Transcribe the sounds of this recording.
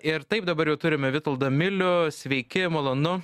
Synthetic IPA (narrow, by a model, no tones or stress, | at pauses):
ɪɾt̪ɐɪp̚d̪ɐbɐɾjɛʊt̪ʊɾʲɪmʲɛʋʲɪt̪ɐlˠd̪ɐmʲɪlʲʊsʲʋʲɛɪkʲɪmoːlˠɐnʊ